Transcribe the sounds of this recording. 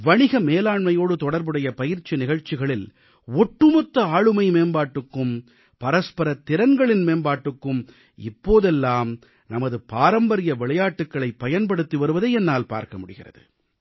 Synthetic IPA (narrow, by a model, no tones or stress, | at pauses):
ʋɐɳɪɣɐmeːlaːɳmɐjoːɽɯt̪ɔɽɐɾbɯɽɐjɐpɐjɪɾt͡ʃinɪɣɐɻt͡ʃːɪɣɐɭɪl | ɔʈːɯmɔt̪ːɐaːɻɯmɐɪmeːnbaːʈːɯkːɯm | pɐɾɐspɐɾɐt̪ːɪɾɐnɡɐɭɪnmeːnbaːʈːɯkːɯm | ɪ̰pːoːðɛlːaːm | nɐmɐðɯpaːɾɐmbɐɾɪjɐʋɪɭɐjaːʈːɯkːɐɭɐɪpːɐjɐnpɐɽɯt̪ːiʋɐɾɯʋɐðɐɛnːaːlpa̰ːɾkɐmʊɽɯɣɪrɐ̰ðɯ̰